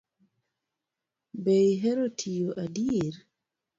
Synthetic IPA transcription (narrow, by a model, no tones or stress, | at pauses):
bejɦeɾotʰijoʔadiɾ